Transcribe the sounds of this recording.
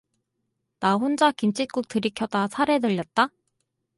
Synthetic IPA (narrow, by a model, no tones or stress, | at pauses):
naɸond͡ʑakint͡ɕʰit̚k͈uk̚tɯɾikʰjʌdasʰaɾe̞dɯʎːʌt̚t͈a